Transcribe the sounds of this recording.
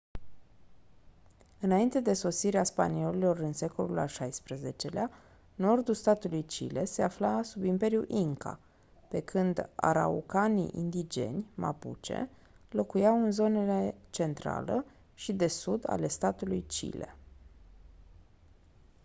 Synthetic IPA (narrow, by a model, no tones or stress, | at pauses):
ɨnaint̪e̞d̪e̞so̞siɾeaspa̰nio̞lilo̞ɾɨnse̞ko̞̰lula̰lʃajspɾəze̞t͡ʃe̞lea | no̞rd̪ulst̪at̪ulujt͡ʃḭle̞se̞aflasubimpe̞ɾjuʔiŋka̰ | pe̞kʰɨnd̪a̰ɾa̰ṵkanḭʔḭnd̪id͡ʒe̞̰nʲma̰pṵt͡ʃḛ | lo̞kujawɨnzo̞nelet͡ʃe̞nt̪ɾa̰lə̰ | ʃid̪e̞sud̪a̰le̞st̪at̪ulujt͡ʃḭle̞̰